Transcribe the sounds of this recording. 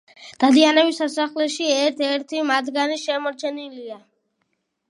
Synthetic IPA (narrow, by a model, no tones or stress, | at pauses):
d̪̥ad̪ianɛbisasaχlɛʃiɛɾt̪ʰɛɾt̪ʰimad̪ɡaniʃɛmɔɾt͡ʃʰɛnilia